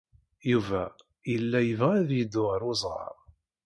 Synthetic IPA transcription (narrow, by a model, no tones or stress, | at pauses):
juvæ | jəlːæjəvʁæðjəd̪ʊʁɾʊzˤʁɑ̰ɾˤ